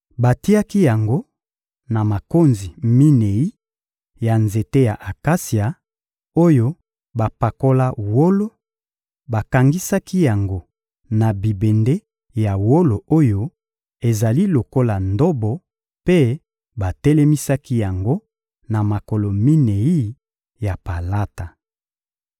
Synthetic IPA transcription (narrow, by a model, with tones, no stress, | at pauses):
ba˨ti˦a˦ki˦ja˨ŋɡo˦ | na˨ma˨ko˦nzi˨mi˦ne˨i˦ | ja˨nze˨te˦ja˨ʔa˨ka˦si˨a˨ | o˦jo˦ | ba˨pa˨ko˦la˦wo˦lo˦ | ba˨ka˨ŋɡi˦sa˦ki˦ja˨ŋɡo˦ | na˨bi˨be˨nde˦ | ja˨wo˦lo˨o˦jo˦ | e˨za˨li˦lo˨ko˦la˨ndo˦bɔ˨ | pe˦ | ba˨tɛ˦lɛ˦mi˦sa˦ki˦ja˨ŋɡo˦ | na˨ma˨ko˨lo˨mi˦ne˨i˦ | ja˨pa˨la˦ta˨